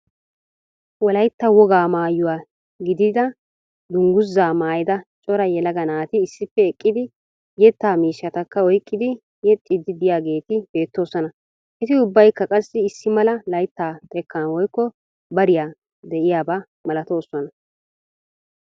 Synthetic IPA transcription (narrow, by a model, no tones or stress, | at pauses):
wɔlɐjt̪ːɐwɔɡaːmaːjʊwaː | ɡɪd̪ɪd̪ɐ | d̪ʊŋɡʊzːaːmaːjɪd̪ɐt͡ʃʼɔɾɐjɛlɐɡɐnaːt̪ɪːsːɪpːɛɛkʼːɪd̪ɪ | jɛt̪ːaːmiːʃːɐt̪ɐkːɐɔjkʼːɪd̪ɪ | jɛt̪ʼːɪd̪ɪd̪ɪjaːɡe̞ːt̪ɪb̥e̞ːt̪ːo̞ːsɔnɐ | ʔɛt̪ɪʊbːɐjkːɐkʼɐsːɪɪsːɪmɐlɐlɐjt̪ːaːt̪ʼɛkʰːɐnwɔjkːɔ | bɐɾɪjaː | d̪ɛʔɪjaːba | mɐlɐt̪o̞ːsːɔnɐ